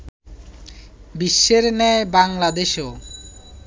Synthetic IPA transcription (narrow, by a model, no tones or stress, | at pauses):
biʃːeɾnɛebaŋlad̪eʃo